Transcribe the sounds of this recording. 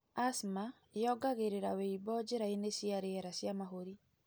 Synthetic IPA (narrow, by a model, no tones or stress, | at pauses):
asma | jɔɡaɣeɾeɾaweibɔd͡ʒeɾaenesiaɾeɛɾasjamaɦoɾi